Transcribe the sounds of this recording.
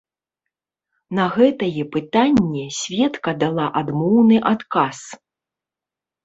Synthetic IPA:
nɐɣɛt̪ɐjɛpɨt̪anʲːɛsʲvʲɛt̪kɐd̪alˠaʔad̪mɔwnɨʔat̪kas

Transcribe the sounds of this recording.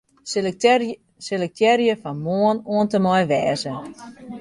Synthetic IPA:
selək̚tʰɛrjəfɔnmoənoəntəmɔjʋɛːzə

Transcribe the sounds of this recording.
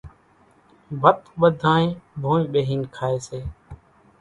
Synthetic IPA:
bʱət̪ɓəd̪ʱaːnẽːbʱõːmĩːɓeːɦiːnkʰaːeːseː

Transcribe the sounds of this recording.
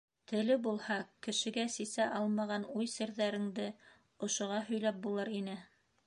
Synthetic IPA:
t̪ɘ̆lɘbulˠhɑkɘ̆ʃɘ̆ɡæsisæʔɑlˠmɑʁɑnujsɘ̆ɾðæɾɘ̆ŋd̪ɘ | ŏʃŏʁɑɦɵ̆jlæp̚bulˠɤɾinɘ

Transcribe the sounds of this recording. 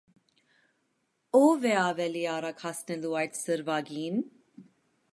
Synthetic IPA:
ɔvɛɑvɛliɑɾɑkhasnɛluɑjt̪ʰsəɾvaɡin

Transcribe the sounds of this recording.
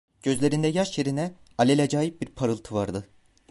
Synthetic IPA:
ɟ̥ø̞zlʲe̞ɾind̪ɛjaʃjeɾinɛalʲelʲɛd͡ʒaːjip̚biɾpʰaɾɯlˠt̪ʰɯvaɾd̪ɯ

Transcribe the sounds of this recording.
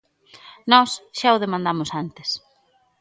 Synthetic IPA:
nɔsʃaʊð̞emãnd̪amʊsant̪ɪ̥s

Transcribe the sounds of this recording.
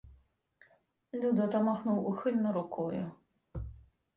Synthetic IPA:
lʲud̪ɔt̪ɐmaxnuwuxɨlʲnɐɾukɔjʊ

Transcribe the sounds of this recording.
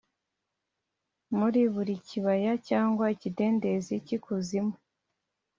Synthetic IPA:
muɾiβuɾiciβajacaːŋɡwaicide̞ːnde̞zicikʰuzimwe

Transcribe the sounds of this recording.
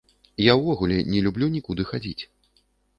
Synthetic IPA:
jawvɔɣulʲɛnʲɛlʲublʲunʲikud̪ɨxad͡zʲit͡sʲ

